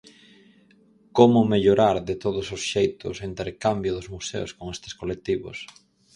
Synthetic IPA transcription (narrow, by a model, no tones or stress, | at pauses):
komʊmeʎoɾaɾðɪt̪oðʊsʊsʃejt̪ʊ̰sint̪eɾkambjʊðʊzmusḛʊskoŋest̪ɪskolek̚t̪iβʊ̰s